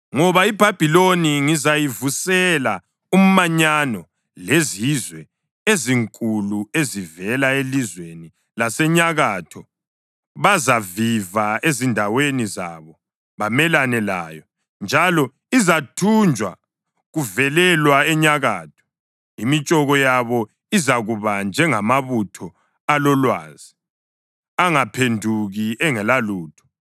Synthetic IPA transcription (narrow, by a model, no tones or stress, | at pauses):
ŋɔβaib̥ʱab̥ʱiloniŋizajivusɛla | um̩maɲanɔ | lezizwɛ | eziŋkʼuluezivɛlaelizweni | lasɛɲaɣaːtʰɔ | βazavivaezindʱaweniza̰βɔ | βamɛlanɛlaːjɔ | nd͡ʒʱalɔ | izatʰund͡ʒʱwa̰ | ɣuvɛlɛlwaɛɲaɣaːtʰɔ̥ | imit͡ʃʼɔɣɔjaβɔ | izaɣuβand͡ʒʱɛŋamaβutʰɔ | alɔlwa̰ːzi | aŋapʰendʱuɣiɛŋɛlaluːtʰɔ̥